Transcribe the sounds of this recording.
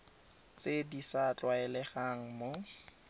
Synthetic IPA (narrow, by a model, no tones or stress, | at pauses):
t͡sʼedisat͡ɬʼwaɛlɛχaŋ̩mo